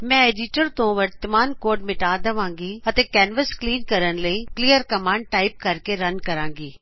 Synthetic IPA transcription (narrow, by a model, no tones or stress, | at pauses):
mɛ̃ːeɖɪʈəɾt̪õːʋɐɾt̪əmaːnkoːɾɖmɪʈaːd̪ɐʋãːŋɡiːɐt̪ẽkɛːnʋəskliːnkɐɾənləikliːjəɾkɐmãːɳɖ̚ʈaːɪp̚kɐɾkeɾɐnkɐɾãːŋɡiː